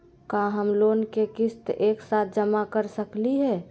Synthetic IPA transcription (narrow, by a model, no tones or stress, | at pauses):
kaɦəmloːnkekɪst̪eːksaːt̪̚ʰd͡ʒəmakəɾsəkliɦɛ